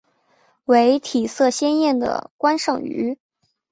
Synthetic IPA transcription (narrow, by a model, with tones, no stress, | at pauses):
we˧˥ɪt̪ʰi˨˩sɤ˥˩ɕjɛ˥njɛ˥˩nd̪ə̰˩kwa˥nʂɤ˥˩ŋy̰˧˥